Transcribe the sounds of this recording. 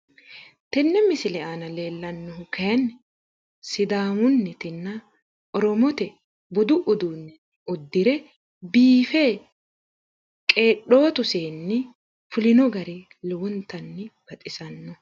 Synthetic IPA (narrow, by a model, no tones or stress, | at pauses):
t̪ɛnːɛmɪsɪlɛʔaːnɐle̞ːlːɐnːɔhʊkɐjɐn | sɪd̪aːmʊnːɪt̪ɪnːɐ | ʔɔɾɔmɔt̪ɛ | bʊd̪ʊʔʊd̪unːɛ | ʊd̪ːɪɾɛ | biːfeː | kʼe̞ːɗo̞ːt̪ʊseːnːɛ | fʊlɪnɔɡɐɾɛ | lɛwɔnt̪ɐnːɪɡ̥ɐt̪ʼɪsɐnːɔ